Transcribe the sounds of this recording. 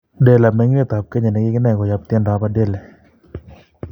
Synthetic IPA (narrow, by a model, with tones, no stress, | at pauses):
de˨la˨me˦ŋne˦˨t̪a˨p̚ke˦ɲɛ˨nɛ˨˦ɡɪ˦kɪ˦nɛ˦˨kɔ˨ja˦p̚t̪ɛ˦nda˨˦pade˦˨lɛ˨